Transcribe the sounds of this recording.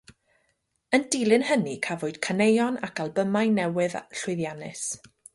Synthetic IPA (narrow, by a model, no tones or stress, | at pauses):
əndilˠɨnhənikʰavoɨd̥kʰanejɔnakʰalˠbəmajnɛwɨðɬʊɨðjanɨ̰s